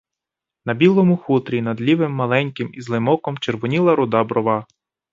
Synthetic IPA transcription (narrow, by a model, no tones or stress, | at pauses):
nɐbʲilˠɔmʊxut̪ɾʲinɐd̪lʲiʋɪmːɐlˠɛnʲkɪmizlˠɪmɔkɔmt͡ʃerʋɔnʲilˠɐɾʊd̪ɑbɾɔʋɑ